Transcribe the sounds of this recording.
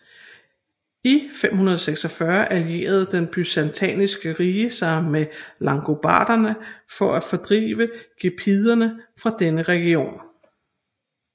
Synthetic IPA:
ifem̰hunɐð̞ˠɒseɡ̥sɒ̽fɶɐʔælje̝̰ːɐð̞̩ˠd̥enb̥ysænt͡sʰɛ̰ːnisɡ̥əʁiːəsɑ̈ɪmelɑ̈ŋɡ̥o̝b̥ɑ̰̈ːd̥ɐnəfɒ̽ʔæfɒ̽d̥ʁḭːʋəɡ̥epʰiðˠɐnəfʁɑ̈d̥enəʁɛɡ̥io̝̰ːn

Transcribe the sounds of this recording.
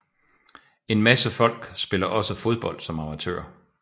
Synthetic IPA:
e̝nmæsəfɒ̽l̰ɡ̥sb̥e̝lɐʔɒ̽səfo̝ð̞ˠb̥ɒ̽l̰d̥sɒ̽mɑ̈mæt͡sʰø̰ɐ

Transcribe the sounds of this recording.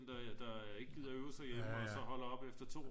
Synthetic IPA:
nd̥ɑd̥ɑ̈eɡəɡ̥ið̰ˠɐøʊsɑ̈ɪjeməɒ̽sɒ̽ɦɒ̽l̰ɐɒ̽b̥efd̥ɐt͡sʰo̝̰ː

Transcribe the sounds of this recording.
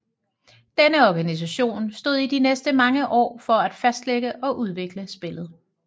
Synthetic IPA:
d̥enəɒɡ̥ænis̬æɕo̝̰ːnsd̥o̝ð̰ˠid̥inesd̥əmɑ̈ŋəʔɒ̰ːfɒ̽æd̥fæsd̥leɡ̥əʔɒ̽ʔuð̞ˠʋe̝ɡ̥ləsb̥e̝lð̞̩ˠ

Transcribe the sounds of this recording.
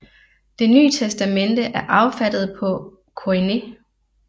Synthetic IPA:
d̥e̝ny̰ːət͡sʰesd̥æmend̥əʔæɐʔɑ̈ʊfæd̥ð̞̩ˠpʰɒ̽ | kʰoine

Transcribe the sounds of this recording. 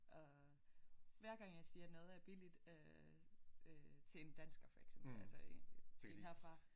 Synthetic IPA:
ʔɒ̽ | ʋæɐɡ̥ɑ̈ŋ̰jɑ̈ɪsiːɐnɔ̽ːð̞̩ˠæɐb̥ilid̥ø | øt͡sʰe̝e̝nd̥ænsɡ̥ɐfɒe̥semb̥l̩ælsəeenhæfʁɑ̈

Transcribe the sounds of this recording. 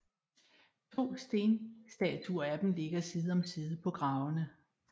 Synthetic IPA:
t͡sʰo̝̰ːsd̥e̝ːnsd̥ɛ̰t͡sʰuɐæd̥m̩le̝ɡ̥ɐsiːð̩ˠɒ̽msiːð̞̩ˠpʰɒ̽ɡ̥ʁɑ̈ʊnə

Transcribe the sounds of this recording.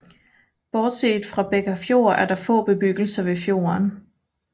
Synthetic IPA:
b̥ɒːd̥se̝̰ːd̥fʁɑ̈b̥eɡ̥ɐfjo̝ːɐ̰ʔæɐɾ̥ɑ̈fɔ̰̽ːb̥e̝b̥yɡ̥l̩sɐʋe̝fjo̝̰ːɐn

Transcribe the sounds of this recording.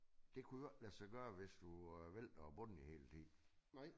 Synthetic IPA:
d̥e̝kʰuj̥læsɑ̈ɪɡ̥ɶːɐʋesd̥uʋel̰d̥ɒb̥ɔ̽n̰ihe̝̰ːlt͡sʰḭː

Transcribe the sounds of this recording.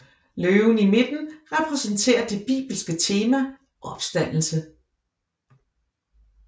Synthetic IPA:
løːʊnime̝d̥n̩ʁɛpʰʁɛsənt͡sʰe̝̰ːɐd̥e̝b̥ḭːb̥l̩sɡ̥ət͡sʰe̝ːmæ | ʔɒ̽b̥sd̥æn̰l̩sə

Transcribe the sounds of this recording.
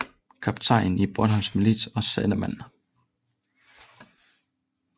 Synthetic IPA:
kʰɑb̥t͡sʰɑ̈ɪ̰nib̥ɔd̥hɑmsmilid̥ɒ̽sɛlɐmæn̰

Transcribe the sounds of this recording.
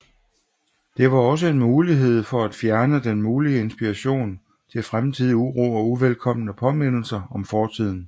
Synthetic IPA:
d̥e̝ʋɑ̈ɒ̽s̬əe̝nmuːliɦe̝ð̞̰ˠfɒ̽æd̥fjæɐnəd̥enmuːliəe̝nsb̥iʁɑɕo̝̰ːn | t͡sʰe̝lfʁamt͡sʰið̰ˠiuʁo̰ːɒ̽uʋelkʰɒ̽m̰nəpʰɒ̽me̝n̰l̩sɐɒ̽mfɒːt͡sʰið̞̰ˠn̩

